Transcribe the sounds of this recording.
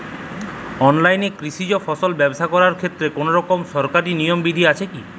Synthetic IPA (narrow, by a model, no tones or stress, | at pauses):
ɔnlajnekɾiʃid͡ʑofʰɔsolbɛboʃakɔɾaɾkʰet̪ːɾekonoɾɔkomʃɔɾkaɾinijombid̪ʱiat͡ɕʰeki